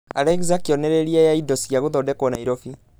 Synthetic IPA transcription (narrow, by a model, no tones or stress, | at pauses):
a̰ɾɛɡzakiɔnɛɾeɾiajaidosiaɣoðɔdɛkɔnaiɾofi